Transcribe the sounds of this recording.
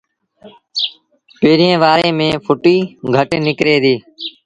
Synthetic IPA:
peːɾẽːʋaːɾẽːmẽːpʰʊʈiːɡʱəʈnɪkɾeːd̪iː

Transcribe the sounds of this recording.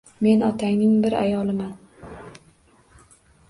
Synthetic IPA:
me̞nɒt̪ʰajnɪŋbɪɾa̰jɒlˠɪman

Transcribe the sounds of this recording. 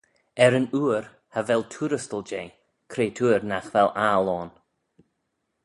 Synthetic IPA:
ɛɾənuːɾ | havɛltʰuːɾəstəlˠd͡ʒeː | kʰɾeːtʰuːɾnaxvɛlʔalɔːn

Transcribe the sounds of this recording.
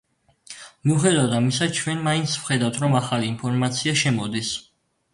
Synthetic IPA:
miuχɛd̪avd̪amisat͡ʃʰwɛnmaint̪svχɛd̪avwt̪ʰɾɔmaχaliːnpʰɔɾmat̪sʰiaʃɛmɔd̪is

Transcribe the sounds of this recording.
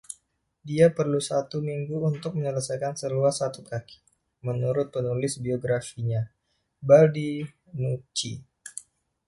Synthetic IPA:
diapərlusat̪umiŋɡuːnt̪ʊk̚məɲələsajkansəluasat̪ukaki̥ | mənuɾʊt̪̚pənulɪsbioɡɾafiɲa | baldi | nut͡ʃi

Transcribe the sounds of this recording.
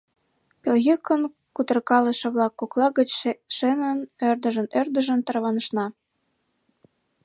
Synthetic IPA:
pelɣykən | kut̪ərkɑləʃɤ̆βlɑkːoklɑɣət͡ɕʃenənørd̪əʒənørd̪əʒə̆nt̪ərβɑnəʃnɑ

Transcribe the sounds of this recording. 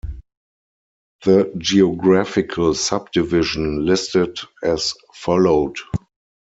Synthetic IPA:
ðəd͡ʒiɔɡɹæfɪkʰəlsʌb̚dɪvɪʒə̃nlɪstɪdɛs | fɔloʊd

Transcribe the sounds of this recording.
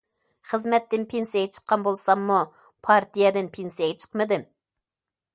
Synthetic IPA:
χəzmɛt̪ːɪnpʰensijɛɡʲɛt͡ʃʰə̥qːɑnbolˠsɑmːu | pʰɑɾt̪ʰijɛd̪ɪnpʰensijɛɡʲɛt͡ʃʰə̥qmɨd̪ɪm

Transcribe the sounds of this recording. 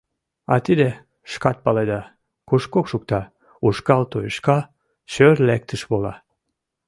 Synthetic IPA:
ɑt̪id̪e | ʃkɑt̪̚pɑled̪ɑ | kuʃkokʃuk̚t̪ɑ | uʃkɑlt̪ojʃkɑ | ɕørlæk̚t̪əʃβolɑ̰

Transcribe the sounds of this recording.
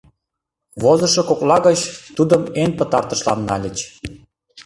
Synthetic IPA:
βozɤ̆ʃŏkoklɑɣɤt͡ɕt̪ud̪əmenpə̆t̪ɑrt̪ə̆ʃlɑ̰nːɑ̰lʲə̆t͡ɕ

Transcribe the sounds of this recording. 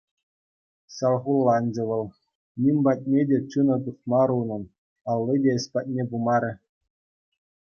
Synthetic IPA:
ɕɑlˠʁulˠːɑnʲd͡ʑɘ̆ʋɤ̆lʲˠ | nʲimʲbɑt̚ʲnʲedʲet͡ɕunɤ̆t̪uχmɑɾunɤ̆n | ɑlʲˠːidʲeɘ̆sʲpɑt̚ʲnʲebumɑɾʲɘ̆

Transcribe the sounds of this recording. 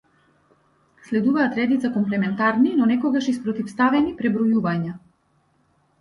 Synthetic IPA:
slɛd̪uvaːt̪ɾɛd̪it̪sakɔmplɛmɛnt̪aɾninɔnɛkɔɡaʃispɾɔt̪ifst̪avɛnipɾɛbɾɔjuvaɲa

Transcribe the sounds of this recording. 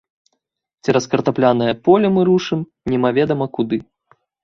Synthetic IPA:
t͡sʲɛɾɐskɐrt̪aplʲanɐjɐpɔlʲɐmɨɾuʂɨm | nʲɛmavʲɛd̪ɐmɐkud̪ɨ

